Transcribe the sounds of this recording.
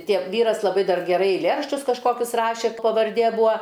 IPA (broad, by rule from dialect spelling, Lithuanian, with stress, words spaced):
ˈtʲiɛk ˈʋʲiːrɐs lˠɐˈbɐɪ ˈdɐr ɡʲɛˈrɐɪ ɛɪlʲˈeːrɐʃʲt͡ʃʲʊs kɐʃˈkoːkʲʊs ˈrɑːʃʲeː pɐʋɐrʲˈdʲeː ˈbʊɐ